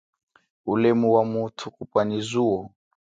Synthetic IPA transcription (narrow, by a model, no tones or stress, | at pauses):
ulemuwamutʰukupwanizuɔ